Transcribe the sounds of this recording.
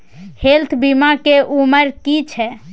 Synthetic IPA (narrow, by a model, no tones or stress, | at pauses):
helt̪ʰbimakeʔuməɾkit͡ʃʰɛ